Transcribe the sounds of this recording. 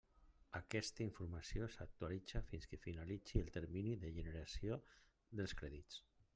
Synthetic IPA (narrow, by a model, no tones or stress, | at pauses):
akɛst̪aiɱfuɾmasiosak̚t̪uwalid͡zafinskəfinalit͡siəlˠt̪əɾminiðəʒənəɾasio | ðəlˠskɾɛðit͡s